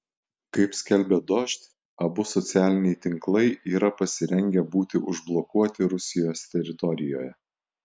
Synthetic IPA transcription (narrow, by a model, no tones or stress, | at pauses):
kɐɪpsʲkʲɛlʲbʲɛd̪ɔʃʲt̪ʲ | ɐbʊsɔt̪sʲæːlʲɪnʲɛɪt̪ʲɪŋklˠɐɪʔiːɾɐpɐsʲɪɾʲɛŋʲɡʲɛbuːt̪ʲɪʔʊʒblˠɔkuɔt̪ʲɪɾʊsʲɪjoːsʲt̪ʲɛɾʲɪt̪ɔɾʲɪjo̰ːjɛ